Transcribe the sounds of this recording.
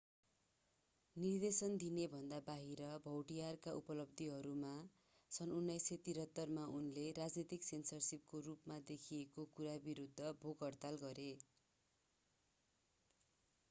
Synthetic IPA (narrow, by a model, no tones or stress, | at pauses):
nird̪esʌnd̪inebʱʌnd̪abaɦiɾʌbʱʌwʈijarkaʔupʌlʌb̚d̪ʱiɦʌɾuma | sʌnunːajsʌt̪iɾɦʌt̪ːʌrmaunleɾad͡znit̪iksensʌrsip̚korupmad̪ekʰiekokuɾabiɾud̪ʱːʌbʱoɡʌrt̪alɡʌɾe